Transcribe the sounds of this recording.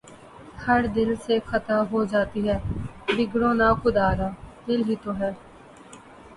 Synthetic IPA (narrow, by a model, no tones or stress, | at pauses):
həɾd̪ɪlseːxʰət̪aːɦoːd͡ʒaːt̪iːɦɛːd̪ɪɡɽõːnaːkʊd̪aːɾaːd̪ɪlɦiːt̪oːɦɛː